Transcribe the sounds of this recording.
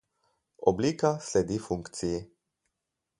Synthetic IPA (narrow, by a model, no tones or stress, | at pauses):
o̰blikasled̪ifuŋkt̪sije